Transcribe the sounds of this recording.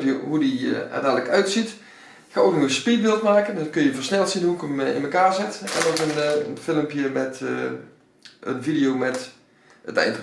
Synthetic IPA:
iɦudiɛ̰rdaːdələkœɥtsit | xaːowknɔɣəspit̚bɪːlˠtmaːkənɑkɵnjəvəɹsnɛlˠtsinɦuəkəmɪ̰nməkaːɹzɪtɛ̰nokənənfɪlˠəmpjəmɛt | ə̰nvidijowmɛt | ətɛ̰jndə

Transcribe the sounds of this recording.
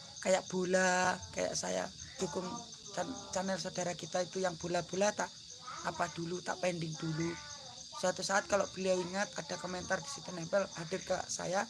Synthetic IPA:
kajaʔb̥olaka̰ja̰ʔsa̰ja̰d͡ʒukʊŋ | t͡ʃat͡ʃanɛlsod̥aɾakit̪ait̪ujaŋb̥olab̥o̤lat̪aʔː | pad̥ulut̪a̰ʔpɛndɪŋd̥ulu | sat̪usaːt̪̚kaloʔb̥iliawiŋat̪̚ad̥a̤komɛnt̪ard̥i̥sit̪unɛpɛlhadɪrka̰sa̰ja

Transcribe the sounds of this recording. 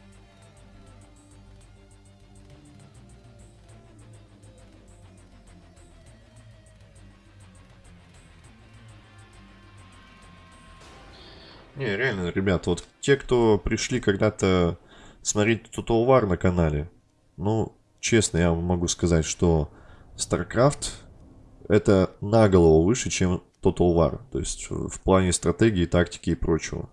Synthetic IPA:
nʲeɾʲɪalʲnəɾʲɪbʲat̪vo̞t̪tʲe̞kt̪o̞pɾʲɪʂlʲikɐɡd̪at̪ə | smɐɾʲet̚ʲt̪t̪ot̪əlˠvarnəkɐnalʲɪ | nu | t͡ɕe̞snəjamːɐɡuskɐzatʲʂt̪o̞ | st̪arkɾaft̪ | ɛt̪ənaɡəlˠəvəvɨʂɨt͡ɕemt̪ot̪əlˠva̰rt̪o̞̰ɪsʲtʲfplˠanʲɪst̪ɾɐt̪eɡʲɪːt̪aktʲɪ̥kʲɪːpɾo̞t͡ɕɪvə̰

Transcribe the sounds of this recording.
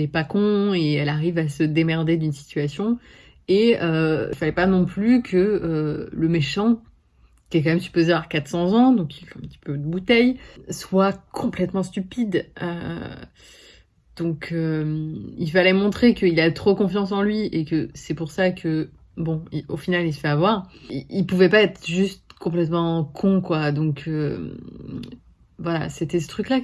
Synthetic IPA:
ɛpakɔ̃eɛlaʁivasəd̪emɛʁd̪ed̪ynsi̥t̪ɥasjɔ̃ | eøḭlfalɛpanɔ̃plykʰəøləmeʃɑ̃ | kʲɛkɑ̃mɛmsy̥pozepaʁkat̪sɑ̃zɑ̃d̪ɔ̃kilɛɛ̃pət̪i̥pød̪əbut̪ɛjswakʰɔ̃plɛt̪mɑ̃st̪ypid̪ø̰ | d̪̥ɔ̃kʰømilfalɛmɔ̃t̪χekəilaɛt̪χokɔ̃fjɑ̃s̬ɑ̃lɥiekəsɛpuʁsakʰə | bɔ̃iofinalilsə̥fɛavwaʁiilpuvɛpaɛt̪χʒyst̪kɔ̃plɛt̪mɑ̃kʰɔ̃kwad̪ɔ̃kʰø | vwalaset̪ɛs̬ə̥t̪χykla

